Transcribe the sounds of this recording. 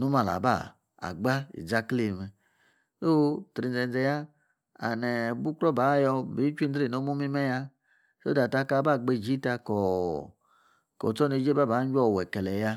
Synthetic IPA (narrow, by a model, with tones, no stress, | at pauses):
nu˦ma˨la̰˨ba̰˦˨ | a̰˨ɡ͡ba˦ḭ˨d͡za˦kli˨m˨ | o˦tɾi˨nd͡zɛ˨n˦d͡zɛ˧˨ja˦ | a̰˨nɛ˨bu˦kɾɔ˦ba˨˦jɔ˧bi˨˦t͡ʃʷi˦n˦dɾi˦˨no˨˦mu˦mi˦mɛ˦ja˧ | so̰˦da˨ta˧˦ka˧˨˦ba˦˨ɡ͡be˧˨d͡ʒi˦ta˧kɔ˨ | kɔ̰˨t͡sɔ˦ne˧˦d͡ʒe˦ba˦˨ba˨˦d͡ʒʷɔ˦˨wɛ˨kɛ˨lɛ˨ja˧